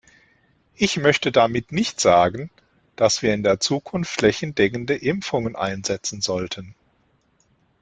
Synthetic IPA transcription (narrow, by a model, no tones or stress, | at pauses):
ʔɪçmœçtədamɪtnɪçtz̥aːɡən | d̥asv̥iːɐɪndeːɐt͡suːkʰʊnftlɛçn̩dɛkən̩dəʔɪmfʊŋənʔa̰ɪnzɛt͡sn̩zɔltʰən